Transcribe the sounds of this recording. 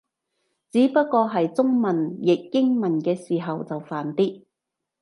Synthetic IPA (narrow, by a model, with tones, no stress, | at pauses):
t͡siː˨˥pɐ˥t̚kɔː˧ɦɐ˨jt͡sʊ˥ŋmɐ˨˩njɪ˨k̚jɪ˥ŋmɐ˨˩nkɛː˧siː˨˩ɦɐ˨wt͡sɐ˨wfaː˨˩nt̪iː˥